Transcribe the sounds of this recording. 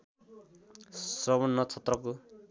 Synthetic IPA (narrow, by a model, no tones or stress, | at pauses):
srʌbʌnːʌt͡sʰʌt̪rʌko